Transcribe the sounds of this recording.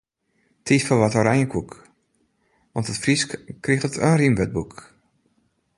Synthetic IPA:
tʰisfɔʋɔtɔɾɛjəkʰuk | ʋɔntətfriskriχtətʰənrimʋɛt̚buk

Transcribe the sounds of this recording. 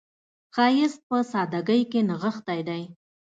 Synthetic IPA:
xɑjɪs̚pəsɑd̪aɡəjkenaɣəxt̪ajd̪aj

